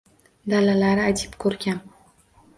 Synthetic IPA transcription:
d̪alalaɾɪad͡ʒ̪ʰɪ̥pkʰɵɾɡʲan

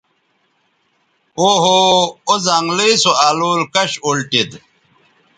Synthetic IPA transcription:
oːɦoozaːŋɡliisoaːloːlkɐɕolʈid̪

